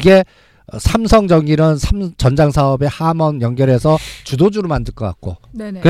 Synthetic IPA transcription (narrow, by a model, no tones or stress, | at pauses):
iɡe̞ | sʰamsʰʌŋd͡ʑʌŋiɾɯnsʰamt͡ɕʌnd͡ʑaŋsʰaʌbe̞hamʌnjʌŋɡjʌɾɦe̞sʰʌt͡ɕudod͡ʑuɾɯɭmandɯɭk͈ʌk͈a̰k̚k͈o̰kɯ